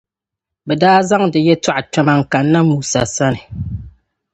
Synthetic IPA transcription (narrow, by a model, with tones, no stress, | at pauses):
bɛ˨daː˦za˦ŋdɛ˨jɛ˦ta˦ʔa˨t͡ʃa˦ma˨ŋ̩˨ka˨nːa˦muː˨sa˨sa˦nɨ˨